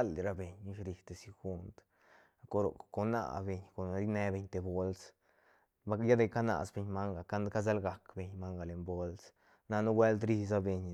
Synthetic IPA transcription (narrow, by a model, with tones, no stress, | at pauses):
a˦lɾa˧be˨ɲi˦ʃɾi˧t̪e˨si˧xu˦nt̪ | ko˧ɾo̰˨ko˧na̰˧˨be˧ɲko˨n˧ɾi˦ne˧be˧ɲt̪e˨bo˦ls | ba˧ja˦d̪e˧˨ka˦na̰˨sbe˧ɲma˦ŋɡa˨ka˦nka˦z̬a˦lɡa˨˧kbe˧ɲma˦ŋɡa˨le˨mbo˦ls | na˧nu˦ɡwe˦ld̪ɾi˦s̬a˦be˧ɲ